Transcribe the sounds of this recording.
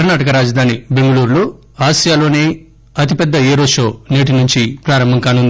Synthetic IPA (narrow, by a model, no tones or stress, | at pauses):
ɐɾnaːʈɐkɐɾaːd͡ʒɐd̪ʱaːnibe̞ŋɡɐluːɾloː | aːʃijaːloːne̞ː | ɐt̪ipɛd̪ːɐeːɾoːʂoːneːʈ̬inuɲt͡ʃipɾaːɾɐmbʱɐŋkaːnund̪i